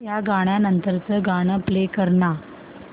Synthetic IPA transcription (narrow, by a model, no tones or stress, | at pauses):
jaɡaɽ̃janənt̪əɾt͡səɡaɽ̃əplekəɾɳa